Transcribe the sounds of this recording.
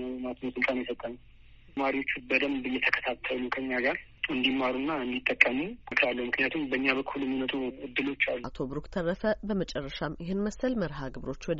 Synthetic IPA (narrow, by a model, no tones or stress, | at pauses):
nəwmat̪ʰnosɨlt̪ʼanjɛsət̪ʼːənə | maɾiwo̞t͡ʃːubəd̪əmbɨjːɛt̪ʰəkʰə̥t̪ʰat̪ʰːəlukʰəɲːaɡaɾ | ɨnd̪imːaɾunːaɨnd̪it̪ʼːəkʼːəmuɨkʰɾalːəhumɨknijat̪ʰumbəɨɲːaβəkʰːuljɛmːinət̪ʼuɨd̪ːɨlo̞t͡ʃːalːua̰t̪ʰo̞bɾukt̪ʰərːəfəbəmət͡ʃʼɛrːəʃamjɪhɨnməsəlməɾɦaɡɨβɾo̞t͡ʃːwɔd̪